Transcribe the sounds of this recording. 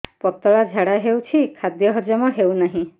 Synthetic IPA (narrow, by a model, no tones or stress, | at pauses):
pɔt̪ɔɭad͡ʒʱaɽaɦewt͡ʃʰikʰad̪jɔɦɔd͡ʒɔmɔɦewnaɦĩ